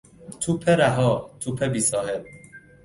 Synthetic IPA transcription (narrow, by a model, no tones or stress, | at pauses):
t̪ʰupʰeɾæɦɔːt̪ʰupʰebiːsɔːheb̚